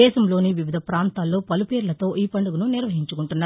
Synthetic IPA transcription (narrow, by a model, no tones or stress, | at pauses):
ɛːʃɐmlo̞ːniʋiʋid̪ʱɐpɾaːnt̪aːlːo̞ːpɐlupeːɾulɐt̪o̞ːʔiːpɐɳɖuɡununiɾʋɐɦiɲt͡ʃukuɳʈunːaː